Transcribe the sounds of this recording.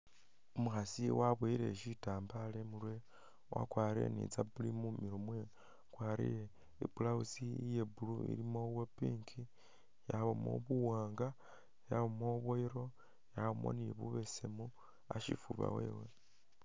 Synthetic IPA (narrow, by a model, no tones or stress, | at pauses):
umuxasiwaβwiɾe̞̰ʃitaːmbalemulwe | wa̰kwaːɾḛnḭt͡sabulimumiɾumwe | kwaːɾḭje | ibulausijebuluḭɾimo̞βwopiːŋkʰi | jaβomo̰βuwaːŋɡa | jaβomoβoiɾo̞ | jaβomo̞̰niβuβe̞semu | aʃifuβa̰wḛːwe